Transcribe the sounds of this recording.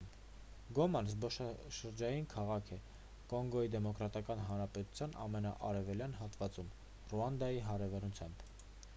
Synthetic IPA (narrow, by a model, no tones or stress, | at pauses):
ɡɔmɑnzbɔʃɑʃəɾd͡ʒɑjinkʰɑʁɑkʰɛ | kɔŋɡɔid̪ɛmɔkɾɑt̪ɑkɑnɦɑnɾɑpɛt̪u̥t͡sʰjɑnɑ̰mɛnɑ̰ʔɑɾɛvɛljɑnɦɑt̪vɑt͡sum | ruɑnd̪ɑjiɦɑɾɛvɑnut͡sʰjɑmb̥